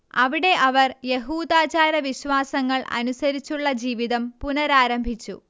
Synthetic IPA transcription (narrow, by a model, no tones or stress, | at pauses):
ɐʋiɽe̞ʔɐʋɐrje̞ɦuːd̪aːt͡ɕaːɾɐʋiɕʋaːsɐŋːɐɭʔɐ̰nusɐɾit͡ɕːuɭːɐd͡ʑiːʋiðɐmpunɐɾaːɾɐmbʱit͡ɕːṵ